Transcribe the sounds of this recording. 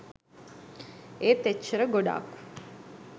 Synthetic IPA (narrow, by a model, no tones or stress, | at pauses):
eːt̪et͡ʃːɐɾəɡoɖa̰ːku̥